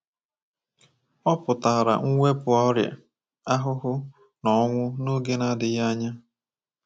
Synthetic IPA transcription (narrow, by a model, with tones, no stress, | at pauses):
ɔ˦pʊ˨ta˨ɾa̰˨ŋ̩˦ŋʷe˦pʊ˨ɔ˦ɾja̰˨ | a˦ɦʊ˦ɦʊ˦ | nɔ˨˦ŋʷʊ˦no˦ɡe˦na˦dɪ˨ja˦ɲa˦